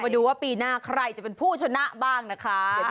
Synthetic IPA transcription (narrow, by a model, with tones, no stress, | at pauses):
ma˧˩duː˧waː˥˩piː˧naː˥˩kʰɾa˧jt͡ɕa˨˩pe˧npʰuː˥˩t͡ɕʰa˧na˦˥ʔbaː˥˩ŋna˦˥kʰa˦˥